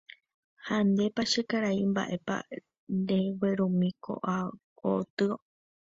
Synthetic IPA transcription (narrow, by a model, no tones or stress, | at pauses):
hand̪e̞paʃekaɾaimba̰ʔe̞pa̰ | nɾeweɾũmĩkʰo̰ʔa | ot̪ɨo